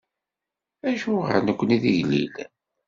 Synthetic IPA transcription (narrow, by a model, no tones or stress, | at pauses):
æʃuʁə̰nəkʷːəniðiʝlḭl